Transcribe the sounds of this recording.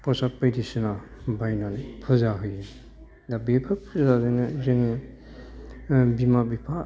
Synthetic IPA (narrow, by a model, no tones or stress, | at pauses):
pɔsapɯjdisɯnabajnanipʰɯzaɦɯj | dabepʰɯpʰɯzazajnɯzɯŋɯ | bimabipʰa